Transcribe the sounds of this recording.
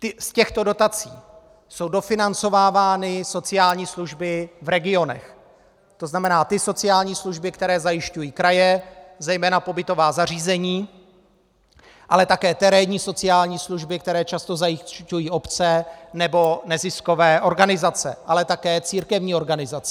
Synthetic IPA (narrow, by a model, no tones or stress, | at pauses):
t̪ɪscɛxt̪o̞do̞t̪at͡sḭː | so̞wdo̞fɪnant͡so̞vaːvaːnɪso̞t͡sɪjaːlɲiːsluʒbɪvɾɛɡɪo̞nɛ̰x | t̪o̞znamɛnaːt̪ɪso̞t͡sɪjaːlɲiːsluʒbɪkt̪ɛɾɛːzajɪʃcujiːkɾajɛzɛjmɛːnapo̞bɪt̪o̞vaːzariːzɛɲiː | ʔa̰lɛt̪akɛːt̪ɛɾɛɲiːso̞t͡sɪaːlɲiːsluʒbɪk̚t̪ɛɾɛːt͡ʃast̪o̞zajɪcujiːʔo̞pt͡sɛnɛbo̞nɛzɪsko̞vɛːʔo̞ɾɡanɪzat͡sɛ̰ʔalɛt̪akɛːt͡siːɾkɛvɲiːo̞ɾɡanɪzat͡sɛ